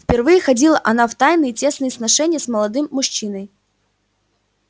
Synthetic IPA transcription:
fʲpʲɪrvɨjəxɐdʲilˠəʔɐn̪aft̪ajnɨjɪtʲe̞snɨjəsnɐʂɛnʲɪjəsməlˠɐd̪ɨmːʊʂːinəj

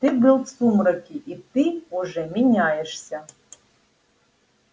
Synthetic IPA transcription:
t̪ɨbɨlˠsumɾɐkʲiʔit̪ɨuʐɛmʲinʲajeʂsʲɐ

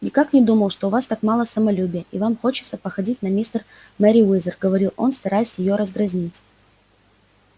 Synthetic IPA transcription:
nʲɪkaknʲɪd̪uməlˠʂt̪o̞vast̪akmalˠəsəmɐlʲubʲɪjəʔivamxo̞t͡ɕɪ̥t̪səpəxɐdʲitʲnɐmʲist̪ərmɛɾʲɪwizʲərɡəvɐɾʲilˠo̞̰nst̪ɐɾajɪsʲjɪjoɾəzɡɾɐzʲnʲitʲ

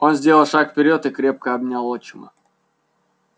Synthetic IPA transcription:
onzʲdʲeləlˠʂakfʲpʲɪɾʲot̪ɨkɾʲe̞p̚kəɐbnʲalˠot͡ɕɪmə̰

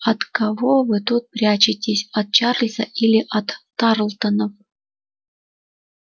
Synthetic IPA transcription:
ɐt̪kɐvovɨt̪ut̪̚pɾʲat͡ɕɪtʲɪsʲɐt̪̚t͡ɕarlʲzə̰ʔilʲɪʔɐt̪ː | ɑɾlˠt̪ənəf

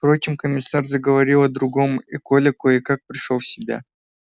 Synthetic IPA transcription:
fpɾo̞t͡ɕɪmkəmʲɪsːarzəɡəvɐɾʲilˠɐd̪ɾʊɡo̞mɪkolʲɪkoɪkak̚pɾʲɪʂolˠfsʲɪbʲa̰

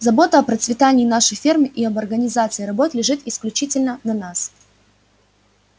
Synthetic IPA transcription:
zɐbo̞t̪əɐpɾət̪svʲɪt̪anʲɪːnaʂəjfʲirmɨʔiɐbɐrɡənʲɪzat̪sɨːɾɐbo̞t̪lʲɪʐɨt̪ɪsklʲʉt͡ɕitʲɪlʲnənɐnas

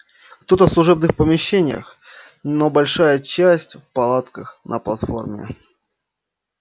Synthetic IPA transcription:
kt̪o̞t̪əfslˠʊʐɛb̚nɨxpəmʲɪɕːenʲɪjə̰x | nobɐlʲʂajət͡ɕæsʲtʲfpɐlˠat̪kəxnʔə̰plˠɐt̪fo̞̰rmʲɪ̰

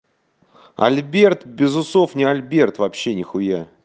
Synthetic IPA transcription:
ɐ̰lʲbʲe̞rt̪bʲɪzʊsofnʲɪɐlʲbʲe̞rt̪vɐpɕːenʲɪxʊja

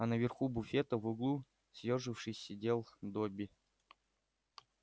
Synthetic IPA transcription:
ɐnəvʲɪrxubʊfʲet̪əvʊɡlˠu | sʲjerʐɨfʂɨsʲsʲɪdʲe̞lˠd̪obʲɪ

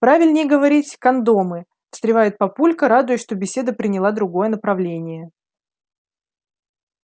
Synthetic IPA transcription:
pɾavʲɪlʲnʲɪjɡəvɐɾʲitʲkɐnd̪omɨ | st̪ɾʲɪvajɪt̪̚pɐpulʲkəɾad̪ʊjɪʂt̪o̞bʲɪsʲe̞d̪əpɾʲɪnʲɪlˠad̪ɾʊɡo̞jənəpɾɐvlʲenʲɪjə

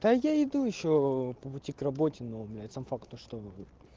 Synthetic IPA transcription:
d̪ajaɪd̪ujɪɕːopəpʊtʲikrɐbotʲɪnomlʲat̪sɐmfakt̪uʂt̪o

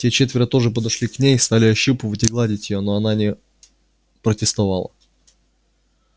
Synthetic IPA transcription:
tʲet͡ɕet̪vʲɪɾət̪o̞ʐɨpəd̪ɐʂlʲiknʲejst̪alʲɪɐɕːupɨvətʲɪɡlˠadʲɪtʲjɪjonoɐnanʲɪ | pɾətʲɪst̪ɐva̰lˠə̰

